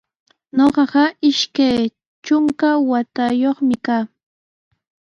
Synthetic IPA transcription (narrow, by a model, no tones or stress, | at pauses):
noɢɑɢɑɪʃkaj | t͡ʃʊŋkawat̪ajoχmɪkaː